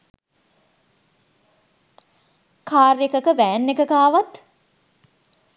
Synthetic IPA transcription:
kaːrjəkəkəʋæːnːekəkaːʋat̪

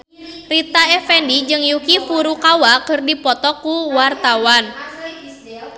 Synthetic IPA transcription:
rit̪aɛfɛndid͡ʒɨŋjukifuɾukawakɨrdipɔt̪ɔkuwart̪awan

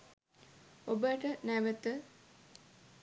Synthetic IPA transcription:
obəʈənæʋət̪ə

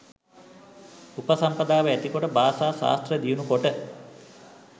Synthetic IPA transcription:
upəsampɐd̪aːʋəæt̪ikoʈəbaːsaːsa̰ːst̪rəd̪ijunukoʈə

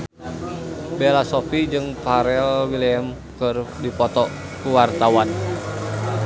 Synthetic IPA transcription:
belasofid͡ʒɨŋpaɾɛlwiliɛm | kərdipɔt̪ɔkuwart̪awan

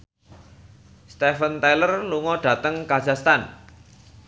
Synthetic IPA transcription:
st̪efənt̪ajlərluŋɔɖ̥ä̤t̪əŋkḁd͡ʒ̥a̤st̪an

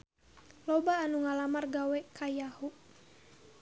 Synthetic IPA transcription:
lɔbaːnuŋalamarɡawɛkʰajahu

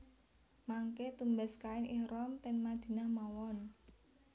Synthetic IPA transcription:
maŋket̪umbɛskaɪnɪhrɔmt̪ɛnmad̪̥i̤nahmawɔn

